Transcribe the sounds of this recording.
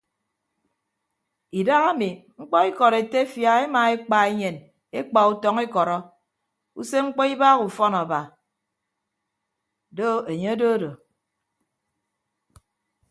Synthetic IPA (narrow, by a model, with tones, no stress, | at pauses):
i˨da˦ɣa˦mi˨ŋ͡m̩˦k͡pɔ˦i˦kɔ˨ɾe˨te˦fja˨ɣe˦maː˨e˦k͡pa˨e˦ɲe˨n | e˦k͡pa˨u˦tɔ˦ŋe˦kɔ˨ɾɔ˦ | ṵ˦se˦ŋ͡m̩˦k͡pɔ˦i˦baː˦ɣu˨fɔ˦na˨ba˨ | do˦e˨ɲe˦do˦do˨